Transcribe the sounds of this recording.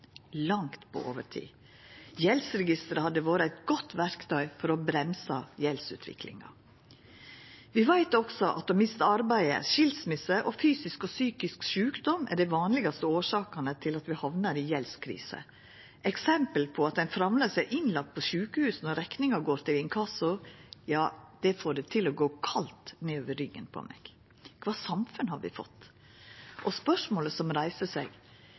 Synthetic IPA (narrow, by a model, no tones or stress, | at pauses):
lɑŋt̪pʰɔ̰ʔo̰ːʋəʈʰḭː | jɛlsɾɛɡɪst̪əɾəhɑd̪ːəʋoːɾəæɪt̪ɡɔt̪ʰːʋæɾkt̪ʰœʏfɔɾɔbɾɛmsɑjɛlsʉ̰ːt̪ʰʋɪ̰kʰlɪ̰ŋɑ̰ | ʋɪʋæɪt̪ɔɡ̥sɔʔɑ̰t̪̚d̪ɔmɪst̪əɑɾbæɪə̰ʃɪlsmɪsəʔɔfyːsɪskɔsyːkɪskʃʉːkd̪ɔmʔæ̰ɖɛɪʋɑːnlɪɡɑst̪əoːʂɑːkɑnət̪ʰɪlɑt̪ʋɪhɑʋnɑɾiːjɛlskʰɾḭːsə̰ | ʔɛksɛmpəlpʰɔɑt̪d̪ɛnfɾɑmləsɛʔɪnlɑk̚t̪̚pʰɔʃʉːkəhʉːsnɔɾɛknɪŋɑɡoːɾt̪ʰɪlɪnkʰɑsʊjɑːd̪̥ɛfoːɖɛt̪ʰɪlɔɡoːkʰɑlt̪neːoːʋəɾʏɡːə̰npʰɔ̰mɛ̰ɡ̥ | kʰʋɑːsɑmfʉnhɑɾʋɪ̰fɔ̰t̪ː | ʔɔspœʂmoːləsɔmɾæɪsəsɛ̰ɡ